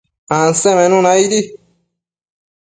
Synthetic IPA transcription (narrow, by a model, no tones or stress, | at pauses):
ãnsemenũnaid̪i